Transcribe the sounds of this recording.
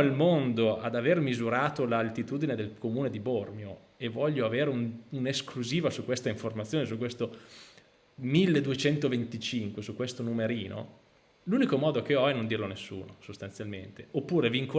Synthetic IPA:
ilmond̪oʔad̪avermizuɾaːt̪olalt̪it̪uːd̪ined̪elkomuːned̪ibormjo | evɔʎːoaveːɾeununeskluziːvasukːwest̪aiɱformat̪sːjoːnes̬ukːwest̪o | milːed̪uet͡ʃɛnt̪ovent̪it͡ʃiŋkwesukwest̪onumeɾiːno̰ | luːnikomɔːd̪ok̟eɔɛnond̪iːrlonesːṵːnosost̪ant̪sjalment̪eopːuːɾeviŋko

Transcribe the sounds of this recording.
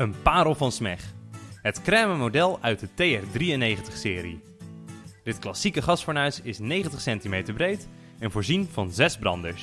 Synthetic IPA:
ənpaːɾəlˠvɑnsmɛχɦətkrɛːməmodɛlˠœɥt̚dətejɛrdriənːejχəntəχsɪːɾi | d̥ɪtklɑsikəχɑsfəːɹnœɥsɪsnejχəntəχsɛntimejtəɹbrejt | ɛnvoːɹzinvɑnzɛzbrɑ̰ndəɹs

